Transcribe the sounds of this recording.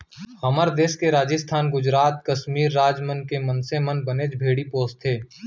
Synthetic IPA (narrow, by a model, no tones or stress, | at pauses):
hɐməɾd̪eːskeɾaːd͡ʒəst̪ʰaːnɡʊd͡ʒɾaːt̪kɐʃmiːɾːaːd͡ʒmənkemə̃nsemənbəneːd͡ʒbʱeːɽipoːst̪ʰeː